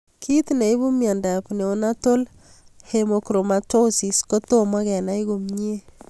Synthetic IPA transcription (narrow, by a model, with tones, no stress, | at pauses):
kʰi˦t̪ne˨iβu˦mja˨nda˨pne˨o˦na˦to˦l | hemo˨kɾo˨mato˦si˨sko˦to˦ma˦kɛ˨na˦i˦ɡo˨mɲe˦